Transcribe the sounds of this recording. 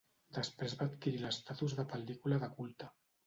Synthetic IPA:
d̪əspɾezβaːt̪kiɾiləst̪at̪uzðəpəld̪ikulaðəkulˠt̪a

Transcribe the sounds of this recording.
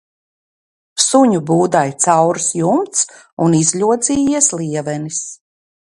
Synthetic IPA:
suɲubuːd̪ajt̪sawɾsjumt̪s | unizʎʲuɔd̪ziːjiɛslˠiɛvɛnis

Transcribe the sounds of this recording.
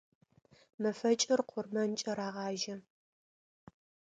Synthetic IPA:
mɐfɐt͡ʃʼɪrqʷʰʊrmɐnt͡ʃʼɐɾaːʁɑːʒɐ

